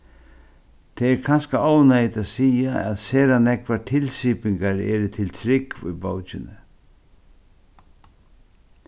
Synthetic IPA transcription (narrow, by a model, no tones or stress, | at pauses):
t̪ʰɛːɛɾkʰanskaaːwnajt̪asiːaæ̰ðseːɾanɛkʋaʈʰɪlsiːpɪŋkaɾɛ̰ːɾɪt̪ʰɪlt̪ʰɾɪkvʊ̰jbowt͡ʃɪnɪ